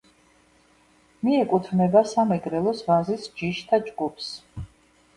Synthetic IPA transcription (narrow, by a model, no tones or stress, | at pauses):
miɛkʼut̪ʰnɛbasamɛɡɾɛlˠɔsvazisd͡ʒiʃt̪ʰad͡ʒɡupʰs